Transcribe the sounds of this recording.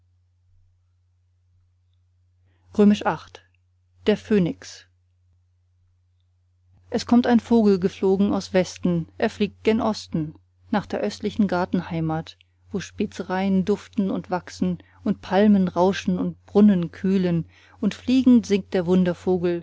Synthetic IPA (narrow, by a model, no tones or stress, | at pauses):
ʁøːmɪʃʔaχt | d̥eːɐføːnɪks | ʔɛskʰɔmtaɪnfoːɡl̩ɡəfloːɡŋ̩a̰ʊsv̥ɛstn̩ʔeːɐfliːk̚t̚d̥enʔɔstn̩ | naːχd̥eːɐʔœstlɪçn̩ɡaɐtn̩haɪmaːt | v̥oːʃpɪt͡səʁaɪəndʊftn̩ʊ̰ntv̥aksn̩ | ʔʊntpʰalmənʁaʊʃn̩ʊnt̚b̥ʁʊnənkʰyːlən | ʔʊntfliːɡŋ̩tz̥ɪŋk̚t̚d̥eːɐvʊndɐfoːɡl̩